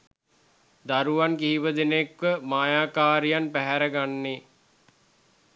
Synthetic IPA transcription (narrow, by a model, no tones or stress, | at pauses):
d̪aɾuʋankiɦiʋəd̪enekʋəmaːjaːkaːɾijanpæɦæɾəɡanːe